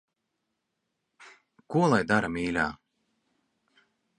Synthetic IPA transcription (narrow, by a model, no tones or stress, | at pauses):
kuɔlˠajd̪aɾamiːlʲa̰ː